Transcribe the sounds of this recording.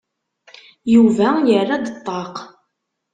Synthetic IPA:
juvæjərːad̪ət̪ˤːɑq

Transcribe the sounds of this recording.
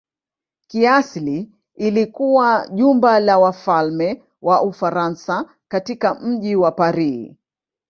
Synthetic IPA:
kiasliː | likuwaʄumbalawafalmɛ | wʔaʔufaɾansa | katikam̩ʄiwapaɾi

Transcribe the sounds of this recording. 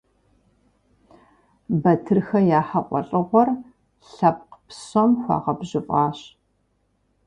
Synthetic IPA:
bɐtʰɨrxɐjaːħɐqʷʼɔ̰ɬʼɨʁʷɔr | ɬɐp̚qpsomxʷɑ̰ːʁɐbʑɪfʼɑːɕ

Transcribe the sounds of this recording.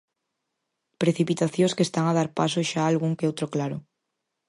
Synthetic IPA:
pɾeθipit̪aθjõskest̪aŋaðaɾpasoʃaalɣuŋkeowt̪ɾoklaɾo

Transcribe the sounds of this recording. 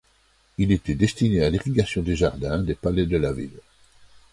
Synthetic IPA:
ilet̪ɛd̪est̪inealiʁiɡasjɔ̃d̪eʒaʁd̪ɛ̃d̪epalɛd̪əlavḭl

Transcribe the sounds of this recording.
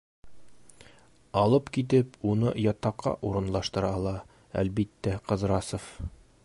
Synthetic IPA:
ɒlˠɤpkit̪ɘpunɤjɒt̪ɑqːɑ̰ʔuɾɤ̆nlˠɑʃt̪ɤ̆ɾɑɒlˠɑ | æ̰lbit̪ːæqɤ̆zɾɑsof

